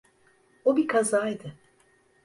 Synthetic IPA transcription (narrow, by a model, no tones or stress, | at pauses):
obikʰazaːjd̪ɨ